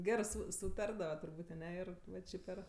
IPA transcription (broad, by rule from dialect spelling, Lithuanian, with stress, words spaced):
ˈɡʲæːrɜ ˈsʊ sʊˈtɐrdɐʋɐ tʊrˈbuːtʲ ɐˈnʲɛ ˈɪr ʋɐ ˈt͡ʃʲɪ pʲɛr